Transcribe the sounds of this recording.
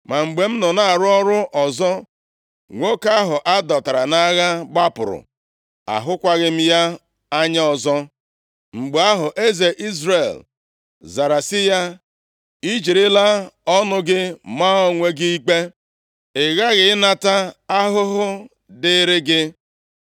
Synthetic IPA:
ma˨ŋ͡m̩˨ɡ͡be˨m̩˦nɔ˨na˨a˨ɾʊ˦ɔ˦ɾʊ˦ʔɔ˨zɔ˦ | ŋʷo˦ka˦ɦʊ˨ʔa˦dɔ˨ta˨ɾa˨na˦ɣa˦ɡ͡ba˦pʊ̰˨ɾʊ̰˨ | a̰˨ɦʊ˦kʷa˦ɣɪ˦m̩˦ja˦ | a˦ɲa˦ɔ˨zɔ˦ | ŋ͡m̩˨ɡ͡be˨a˦ɦʊ˨ʔe˦ze˨ʔi˦zɾe˨l | za˨ɾa˨sɪ˦ja˦ | i˦d͡ʒi˨ɾɪ˦la˦ɔ˦nʊ˦ɡɪ˦ma˦ɔ˦ŋʷe˦ɡi˦i˦k͡pe˦ | ɪ˨ɣa˦ɣɪ˦ɪ˦na˨ta˦a˦ɦʊ˦ɦʊ˦ | dɪ˦ɾɪ˦ɡɪ˦

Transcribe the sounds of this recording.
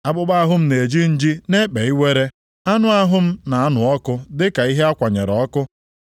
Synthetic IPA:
a˨bʊ˦ɡ͡ba˦a˦ɦʊ˦m̩˦ne˨d͡ʒi˦n̩˦d͡ʒi˦ne˦k͡pe˨i˦we˦ɾe˦ | a˦nʊ˦a˦ɦʊ˦m̩˦na˨a˦nʊ˨ɔ˦kʊ˦dɪ˦ka˨i˦ɦe˦a˦kʷa˨ɲḛ˨ɾɔ˦kʊ˦

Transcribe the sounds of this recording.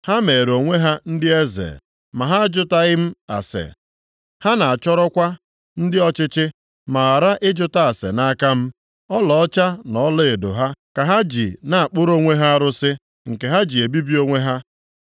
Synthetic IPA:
ha˦me˨ɾo˨ŋʷe˦ɦa˦n̩˦dɪ˦e˦zḛ˨ | ma˨ɦa˦d͡ʒʊ˦ta˦ɣɪ˦m̩˦a̰˨sḛ˨ | ha˦na˨a˨t͡ʃɔ˦ɾɔ˦kʷa˦ | n̩˦dɪ˦ɔ˦t͡ʃɪ˦t͡ʃɪ˦ | ma˨a˨ɾa˦ʔɪ˦d͡ʒʊ˦ta˦a˨sḛ˨na˦ka˦m̩˦ | ɔ˦lɔ˨ɔ˦t͡ʃa˦nɔ˨˦le˦e˨do̰˨ɦa˦ka˨ɦa˦d͡ʒi˨na˨a˨k͡pʊ˦ɾo˦ŋʷe˦ɦa˦a˦ɾʊ˦sɪ˦ | ŋ̩˨ke˨ɦa˦d͡ʒi˨e˨bi˦bi˦o˦ŋʷe˦ɦa˦

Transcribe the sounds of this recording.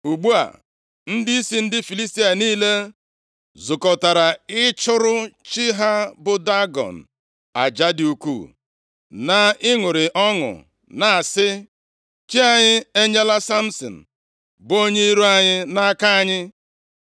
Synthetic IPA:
u˨ɡ͡bu˦a̰˨ | n̩˦dɪ˦i˦si˦n̩˦dɪ˦fi˨li˦sti˦a˨niː˦le˦ | zʊ˨kɔ˨ta˨ɾa˨ɪ˦t͡ʃʊ˦ɾʊ˦t͡ʃi˦ɦa˦bʊ˨da˦ɡɔ̰˨n̩˨ | a̰˨d͡ʒa˦dɪ˨u˦kṵː˦˨ | na˨ɪ˦ŋʊ˨ɾɪ˨ʔɔ˦ŋʊ̰˨ | na˨a˨sɪ˦ | t͡ʃi˦a˨ɲɪ˦e˦ɲe˦la˦sa˦m̩˦sɔ̰˨n̩˨ | bo˦ɲe˦i˦ɾu˦a˦ɲɪ˦na˦a˦ka˦a˦ɲɪ˦

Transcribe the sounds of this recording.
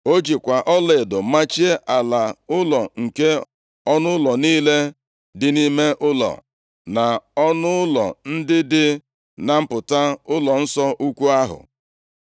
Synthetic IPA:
o˦d͡ʒi˨kʷa˨ʔɔ˦le˨dʊ˨˦ma˦t͡ʃi˦e˦ʔa˨la˨ʊ˦lɔ˨ŋ̩˨ke˦ | ɔ˦nʊ˦ʊ˦lɔ˨niː˦le˦ | dɪ˨ni˦me˦ʔʊ˦lɔ̰˨ | na˨ɔ˦nʊ˦ʊ˦lɔ̰˨n̩˦dɪ˦dɪ˦ | na˨m̩˦pʊ˨ta˦ʊ˦lɔ˨n̩˦sɔ˦ʔu˦kʷu˦a˦ɦʊ̰˨

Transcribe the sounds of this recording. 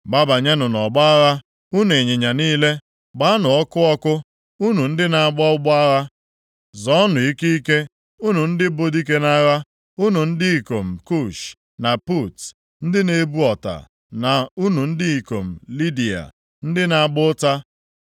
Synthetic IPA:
ɡ͡ba˦ba˨ɲe˦nʊ˨nɔ˨ɡ͡ba˦a˦ɣa˦ | u˦n˨e˨ɲe˨ɲa˨niː˦le˦ | ɡ͡ba˦a˦nʊ˨ɔ˦kʊ˦ɔ˦kʊ˦ | u˦nu˨n̩˦dɪ˦na˨ɡ͡bɔ˦ʊ˦ɡ͡ba˦ɣa˦ | zɔ˨˦nʊ˨i˦ki˦i˦ke˦ | u˦nu˨n̩˦dɪ˦bo˦di˦k̬e˦na˦ɣa˦ | u˦nu˨n̩˦dɪ˦i˨ko˨m̩˨ku˦˨ʃ | na˨pu˦˨t | n̩˦dɪ˦ne˦bu˦ɔ˨ta̰˨ | na˨u˦nu˨n̩˦dɪ˦i˨ko̰˨m̩˨li˦di˨a̰˨ | n̩˦dɪ˦na˨ɡ͡bʊ˦ta˦

